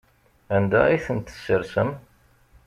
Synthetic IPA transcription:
ænd̪æ̰iθənt̪ə̥sːəɾsəm

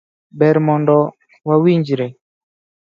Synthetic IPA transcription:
bɛɾmɔnɖɔ | wawiɲd͡ʒɾɛ

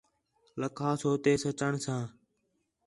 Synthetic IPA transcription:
ləkʰaːsoːt̪eːsət͡ʃəɳsãː

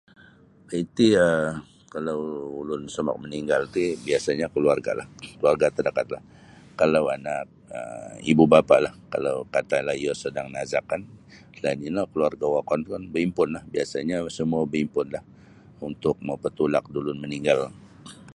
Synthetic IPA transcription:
əit̪iə | kalawulʊnsəma̰k̚məniŋɡalt̪ibiasaɲakəluarɡa̰la̰hkəluarɡat̪ədakat̪̚lah | kalawanak̚ə̰ḭbubapaʔlahka̰lawkat̪alahijɔsədaŋnazakːan | lanilakəluarɡawakɔnt̪kanbəimpʊnlahbiasaɲasəmuabəimpʊnlah | unt̪ʊk̚məpət̪ulak̚dulʊnməniŋɡal

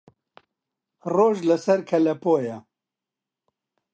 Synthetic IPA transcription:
roːʒlɐsɐɾkʰɐlɐpoːjɛ

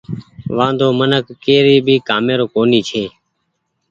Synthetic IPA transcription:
ʋãːnd̪oːmənəkːeːɾiːbʱiːkaːmeːɾoːkoːniːt͡ʃʰeː

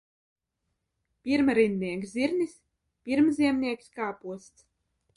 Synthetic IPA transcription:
pʲiɾmaɾinːiɛkziɾnis | pʲiɾmziɛmnʲiɛkskaːpuɔst̪s

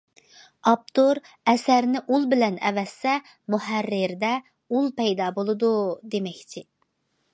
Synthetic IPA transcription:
ɑp̚t̪ʰoɾ | ɛsæɾnɪʔulˠbɪlɛnɛ̰vɛsːɛ | muɦærːɪɾd̪ɛ | ulˠpɛjd̪ɑːbolˠɨd̪ud̪emɛkʲt͡ʃʰɪ

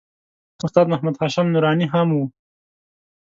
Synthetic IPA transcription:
ʊst̪aːd̪mɐhmɐd̪haːʃɐmnuɾɑːniɦɐmwu

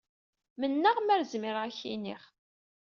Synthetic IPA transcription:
mənːaʁmæɾzmɪɾæçḭnḭχ

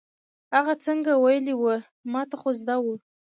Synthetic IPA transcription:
haɣat͡səŋɡawajəliwə | mɑt̪aχozd̪awu

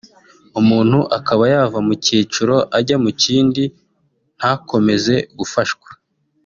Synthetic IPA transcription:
umuːn̥huʔakaβajaːvamuciːt͡ʃuɾo̞ʔaɟamuciːndi | n̥hako̞me̞ze̞ɡufaʃɡwḁ

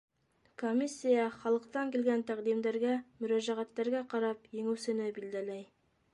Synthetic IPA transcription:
komʲisʲːijɑχɑlˠɤ̆qt̪ɑŋkĭlɡænt̪æqd̪imd̪æɾɡæmɵ̆ɾæʒæʁæt̪ːæɾɡæqɑɾɑpjĕŋɘ̆wsɘ̆nɘbild̪ælæj

